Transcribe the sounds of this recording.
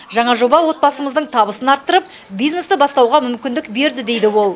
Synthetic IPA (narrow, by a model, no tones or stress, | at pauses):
ʒɑɴɑʒo̞bɑwo̞t̪̚bɑsəməzd̪əɴt̪ʰɑbəsənɑɾt̪ːəɾəp̚bijzne̞sɪbɑst̪ɑwʁɑmʏmkʲɪnd̪ɪkbe̞ɾd̪ɪd̪e̞jd̪ɪwo̞lˠ